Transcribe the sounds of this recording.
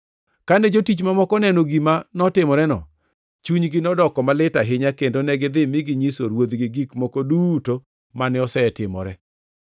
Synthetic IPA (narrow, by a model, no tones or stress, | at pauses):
kanɛd͡ʒotit͡ʃmamɔkɔnɛnoɡimanɔtɪmɔɾɛnɔ̰ | t͡ʃuɲɡɪnɔdɔkɔmalɪtaɦɪɲakendonɛɡɪd̪ɪmɪɡɪɲiso̰ɾwod̪ɡɪɡikmokoduto | manɪɔsɛɛtɪmɔ̰ɾɛ